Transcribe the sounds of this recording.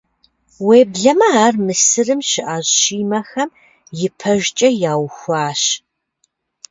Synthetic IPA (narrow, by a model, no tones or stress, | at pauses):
weːbɮɐmɐaːrmɨsɨrɨmɕɪʔaːʑɕiːmɐxɐm | jɪpʰɐʒt͡ʃʼɐjaːwxʷaːɕ